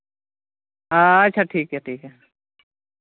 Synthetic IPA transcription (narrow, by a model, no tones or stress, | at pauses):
aɐtːʃʰaʈʰiːkɦɛʈʰiːkɦɛ